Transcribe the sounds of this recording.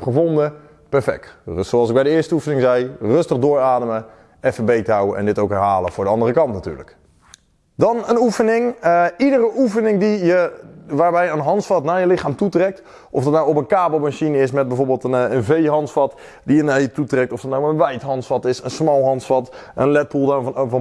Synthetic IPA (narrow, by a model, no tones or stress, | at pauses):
χəvɔndə | pɛɹfɛ̰k̚tsowɑlˠsɪk̚bɛjdəɪːɹstəufənɪŋzɛjrɵstəχdʊːɹaːdəmə | ɛfəbejtawəʔɛ̰̃ndɪtowkɦɛɹɦaːləvʊːɹdəɑndərəkɑntnaty̰ːɹlə̰k | dɑnənufənɪŋidərəʔufənɪŋdijəʋaːɹbɛjəənɦɑntsfɑtnajəlɪχaːmtutrɛk̚t | ʔɔfdɑtnawɔpənkaːbəl̩ˠmaʃinɪsmɛt̚bɛjvoːɹbɪːlˠtənənvejɦɑntsfɑt | dijənajətutrɛktɔfdɑtnawənʋɛjtɦɑntsfɑtɪsənsmɔlˠɦɑnsfɑt | ənlɛt̚bulˠdv